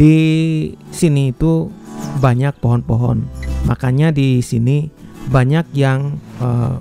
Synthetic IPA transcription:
di | siniːt̪ubaɲak̚poɦɔnpoɦɔnmakaɲadisini | baɲak̚jaŋə

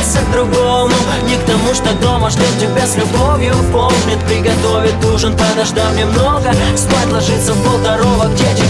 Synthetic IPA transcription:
t̪sʲəvd̪ɾʊɡomʊ | nʲɪkt̪ɐmuʂt̪od̪o̞məʂlʲost͡ʃɪkbʲeslʲʊbovʲjʊpolˠnʲɪt̪̚pɾʲɪɡɐt̪ovʲɪt̚ʲd̪uʐɨnt̪ad̪ɐʐd̪amnʲemnoɡəst̪ojʲt̪lˠɐʐɨt̪sːəvbəlˠd̪ɐɾovəkdʲet͡ɕɪ

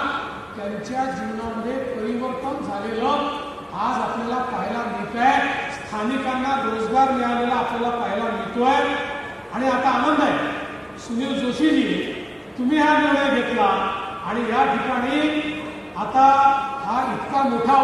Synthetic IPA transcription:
t̪jaɲt͡ɕjad͡ʑiwnaməd̪ʱepəɾiʋəɾt̪ənd͡zʱalelɔ | ad͡zapljalapaɦilanekajst̪ʰanikanːaɡɾod͡zɡaɾmɛɭalelaːpljalapəɦlanit̪oj | aɽ̃iat̪aːnənd̪ʱaj | sujed͡zoɕiːɦi | t̪um̤iːɦaneʋɽəjɡʱet̪laaɽ̃ijaʈʰikaɽ̃i | at̪aɦait̪kamoʈʰa

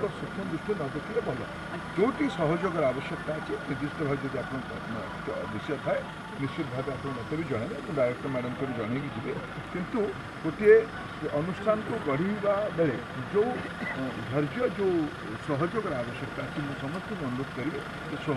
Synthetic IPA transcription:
k̪ɔsut̪ʰːɔmd̪usʈʰinɔd̪ekʰiɾebɔlɔ̰ | d͡ʒowʈisɔɦɔd͡ʒoɡɔɾabɔsjɔk̚t̪aːt͡ʃʰinid͡ʒ̪ist̪ɾɔɦɔd͡ʒɔd̪iapɔɽ̃ɔ | b̪isjɔt̪ʰae | nist͡ʃid̪ʱad̪apɔɽ̃ɔ̃nɔt̪ʰebid͡ʒɔɽ̃enekũd̪ajɾɔkt̪ɔmaɽɔmkɔɾid͡ʒɔɽ̃eɡid͡ʒibe | kint̪u | koʈ̪ʰie | ʔɔnusʈʰanɔkuɡɔɽ̤ibabeɭe | d͡ʒow | d̪ʱɔɾd͡ʒjɔd͡ʒo | sɔɦɔd͡ʒoɡɔɾabɔsjɔk̚t̪aːt͡ʃʰimũsɔmɔst̪ʰɔmɔnuɾot̪̚kɔɾibe | esɔ

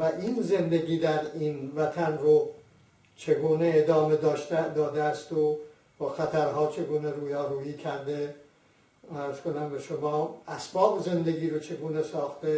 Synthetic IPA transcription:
væʔinze̞nd̪e̞ɡiːd̪æɾinvæt̪ʰænɾo | t͡ʃʰe̞ɡuːneed̪ɒːmed̪ɒːʃd̪ɒːd̪eæst̪o | bɒxæt̪ʰæɾɦɒːt͡ʃʰe̞ɡuːne̞ɾuːjɒːɾuːiːcʲʰæɾd̪e̞ | æɾz̥ko̞næmbe̞ʃomɒːæsbɒːbeze̞nd̪e̞ɡiːɾot͡ʃʰe̞ɡuːnesɒːxt̪e

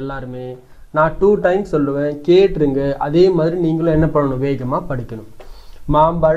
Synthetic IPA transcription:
ɛlːaːɾɯmeː | nãːʈuːʈɐɪmssɔlːɯʋẽːkeːʈːɾɯŋɡɐʔɐðeːmaːðɪɾiniːŋɡɐɭʊ̃ɛnːɐpːɐɳːɐɳʊ̃ʋeːɣɐmaːpɐɽɪkʲːɐnʊ̃maːmbɐ

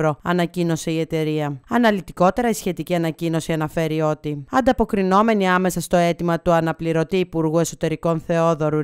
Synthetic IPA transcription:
ɾo̞ɐ̰nɐcino̞se̞ie̞t̪e̞ɾiɐɐnɐlit̪iko̞t̪e̞ɾɐisçe̞t̪iciɐnɐcino̞siɐnɐfe̞ɾio̞t̪iɐnd̪ɐpo̞kɾino̞me̞niɐme̞sɐst̪o̞e̞t̪imɐt̪uɐnɐpliɾo̞t̪iːpuɾɣue̞so̞t̪e̞ɾiko̞nθe̞oðo̞ɾu

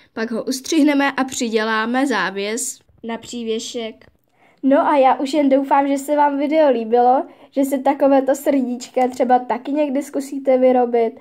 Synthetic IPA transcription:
paɡɦoʔust̪r̝̥ɪɦnɛmɛʔapr̝̥ɪɟɛlaːmɛzaːvjɛs | napr̝̥iːvjɛʃɛk | no̞ʔajaːʔuʃjɛndowfaːmʒɛsɛvaːmvɪdɛoliːbɪlo̞ʒ̥ɛs̬ɛt̪ako̞vɛːt̪o̞sr̩ɟit͡ʃkat̪r̝̥ɛbat̪akɪɲɛɡdɪskusiːt̪ɛvɪɾo̞bɪt̪

